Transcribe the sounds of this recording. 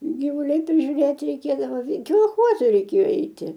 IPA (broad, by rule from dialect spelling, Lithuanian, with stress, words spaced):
ɡʲiːˈʋʊlʲɛɪ pʲrʲɪʒʲuːˈrʲeːtʲɪ rʲɛɪˈkʲeːdɐʋoː koːlˠˈxoːzɐ rʲɛɪˈkʲeːjoː ˈɛɪtʲɪ